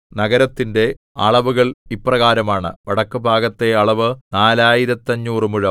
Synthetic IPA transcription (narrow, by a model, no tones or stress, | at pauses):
nɐɡɐɾɐt̪ːinde̞ | ɐ̰ɭɐʋuɣɐɭipːrɐɣaːɾɐmaːɳɨ̰ʋɐɽɐkːɨbʱaːɡɐt̪ːe̞ɐɭɐʋɨnaːlaːjiɾɐt̪ːɐɲːuːrɨmuɻɐ